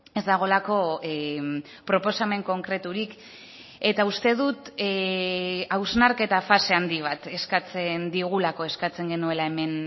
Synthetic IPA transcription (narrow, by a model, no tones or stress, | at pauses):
e̞zd̪aɣ̞o̞lako̞ | pɾo̞po̞same̞ŋko̞ŋkɾe̞t̪uɾik | e̞t̪aust̪e̞ðut̪ | awznaɾke̞t̪afase̞and̪iβ̞at̪e̞skat͡se̞nd̪iɣ̞ulako̞e̞skat͡se̞ŋɡe̞nue̞lae̞me̞n